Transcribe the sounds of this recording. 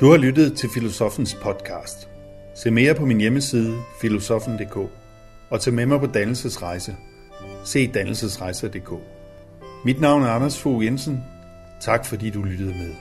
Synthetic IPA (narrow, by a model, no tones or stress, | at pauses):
d̥uhɑ̈lydð̞̩ˠt͡sʰe̝lfilo̝sɒ̽fn̩spʰɒ̽d̥kʰɑ̰̈ːsd̥ | se̝̰ːme̝ːɐpʰɒ̽minjeməsiːð̞ˠəfilo̝sɒ̽fn̩d̥e̝̰ːkʰɔ̰̽ː | ɒ̽t͡sʰɛːmemɑ̈ɪpʰɒ̽d̥ænl̩səsʁɑ̈ɪsə | se̝̰ːd̥ænl̩səsʁɑ̈ɪsəd̥e̝̰ːkʰo̰ː | mid̥nɑ̈ʊ̰næɐɑnɐsfoːjensən̩ | t͡sʰɑ̈ɡ̥fɒ̽dḭːd̥ulyd̥əð̞̩ˠmeðˠ